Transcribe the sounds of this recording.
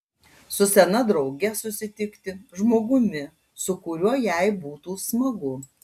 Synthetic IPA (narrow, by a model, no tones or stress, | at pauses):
sʊsʲɛnɐd̪ɾɒʊɡʲɛsʊsʲɪt̪ʲɪkt̪ʲɪʒmoːɡʊmʲɪ | sʊkʊɾʲuɔjæɪbuːt̪uːsmɐɡʊ